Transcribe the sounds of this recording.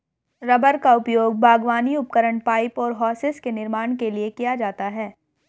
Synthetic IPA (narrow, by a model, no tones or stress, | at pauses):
ɾɐbəɾkaʊpjoːɡ̚bʱaːɡʋaːniʊp̚kəɾəɳ̃paːɪpɔːɾɦɔːsɪskenɪɾmaːɳ̃keliekijad͡ʒaːt̪aɦɛː